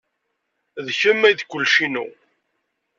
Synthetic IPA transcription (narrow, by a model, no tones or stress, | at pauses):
ðçəmːæjðkʷːʊlːʃinṵ